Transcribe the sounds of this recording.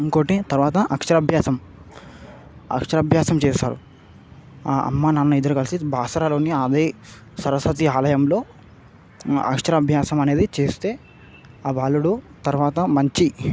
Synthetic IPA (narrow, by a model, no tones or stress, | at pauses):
iŋkoːʈet̪ɐɾʋaːt̪ɐʔɐkʂɐɾɐbʱjaːsɐm | ɐ̰kʂɐɾɐbʱjaːsɐmt͡ʃɛːsaːɾṵ | aʔɐ̰mːaːnɐnːuid̪ɐɾukɐlisibʱaːsɐɾaːlo̞ːniɐd̪eː | sɐɾɐsʋɐt̪̬iaːlɐjɐmlo̞ː | ɐ̰kʂɐɾɐːbʱjaːsɐmɐneːd̪it͡ʃeːst̪e̞ː | aːbaːluɽut̪ɐɾʋaːt̪ɐmɐɲt͡ʃi